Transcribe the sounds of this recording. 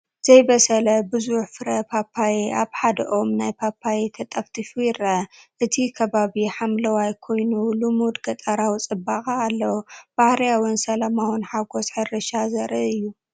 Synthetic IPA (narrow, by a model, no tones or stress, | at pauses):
z̥ɐjbɐsɐlɐbɨzuħfɨɾɐpʰapʰːajiʔaβħad̪ɐ̰ʔomnajpʰapʰːajit̪ʰɐt̪ʼɐft̪ʰifujɪɾɐʔɨt̪ʰikʰɐβaβiħamlɐwajkʰo̞jnulumud̪ɡɐt̪ʼaɾawt͡sʼɨbːaxʼɐːlːɐwb̥ahɾijawɨnsɐlamawɨnħaɡosħɨrɨʃazɐɾɨʔɨjːu